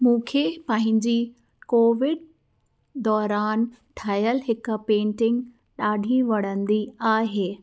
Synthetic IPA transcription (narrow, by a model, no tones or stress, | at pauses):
mũːkʰeːpɐ̃ɦɪ̃ɲd͡ʑiː | koːʋɪɖ | d̪ɔːɾaːn | ʈʰaːjəlɦɪkpẽːɳʈɪ̃ŋɡ | ɗaːɖʱiʋɐɽ̤ə̃nd̪iaːɦeː